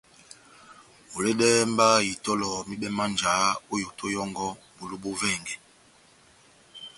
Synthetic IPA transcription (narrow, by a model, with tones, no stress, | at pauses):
o˨le˦ɗɛ˦mba˦ji˨tɔ˦lɔ˨mi˦ɓɛ˦ma˦nd͡ʒa˨˦o˦jo˨tʰo˦jɔ˦ŋɡɔ˦ | bo˨lu˦ɓo˦vɛ˦˨ŋɡɛ˨